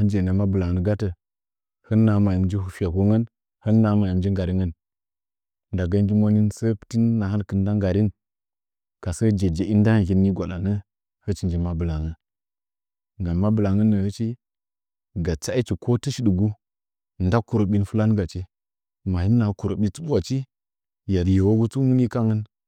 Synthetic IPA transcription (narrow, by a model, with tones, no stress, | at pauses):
ha˦nd͡ʒe˨nə˨ma˦bɨ˨la˨ŋə˦n˦ɡa˦tə˨ | hə˦nːa˨˦ma˨ji˨md͡ʒi˦hu˨fi˦a˨ko˦ŋə˦n | hə˦nːa˨˦ma˨ji˨m˦d͡ʒi˦ŋɡa˨ɾi˦ŋə˦n | nda˨ɡa˦n˦d͡ʒi˦mo˦ni˦nsə˦pti˦nːa˨ha˦n˦kɨ˨n˦da˦ŋɡa˨ɾi˦n | ka˨sə˦d͡ʒe˨d͡ʒe˨i˦n˦da˦˨ɣi˦nːi˦ɡʷa˨ɗa˨nə˦ | hə˦t͡ʃi˨nd͡ʒi˦ma˨bɨ˨la˨ŋə˦n | ŋɡa˨nma˦bɨ˨la˨ŋə˦nːə˨hə˦t͡ʃi˦ | ɡa˨t͡sa˦i˦t͡ʃi˨kʰo˦tə˦ʃi˦ɗu˨ɡu˦˨ | n˦da˦ku˨ɾo˨ɓi˦n˦fu˦la˦n˦ɡa˨t͡ʃi˦ | ma˨hi˦n˦na˨ku˨ɾo˨ɓi˦t͡su˦ɓu˦a˨t͡ʃi˦ | ja˨ɾje˨wo˦ɡu˦t͡su˦mu˦ni˦ka˦ŋə˦n